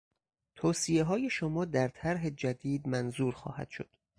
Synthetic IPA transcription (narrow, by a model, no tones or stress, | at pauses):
t̪ʰoːsieɦɒːje̞ʃomɒːd̪æɾt̪ʰæɾɦe̞d͡ʒæd̪iːd̪mænzuːɾxɒ̰ːhæ̰d̪̥ʃo̰d̪̥